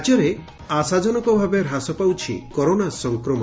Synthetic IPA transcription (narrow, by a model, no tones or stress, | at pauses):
d͡ʒɔɾe | asad͡ʒɔnɔkɔbʱabeɾɦasɔpawt͡ʃʰḭkɔɾonasɔŋkɾɔmɔ